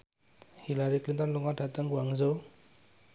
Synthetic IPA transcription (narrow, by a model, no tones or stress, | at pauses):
hilaɾiklint̪ɔnluŋɡaɖʱat̪əŋɡwaŋzow